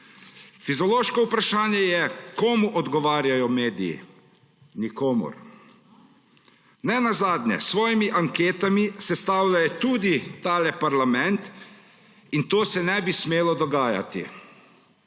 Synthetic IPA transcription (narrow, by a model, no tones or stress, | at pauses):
fizɔloːʃkɔupɾaʃaːnjɛjɛkoːmuʔɔd̪ɡɔʋaːɾjajɔmeːd̪ijḭ | nikoːmṵɾ | nɛnazaːd̪nʲɛ̰sʋɔːjimiʔaŋkeːt̪amisɛst̪aːwlʲajɛt̪uːd̪it̪aːlɛpaɾlamɛnt̪ | int̪oːsɛnɛbismeːlɔd̪ɔɡaːja̰t̪ḭ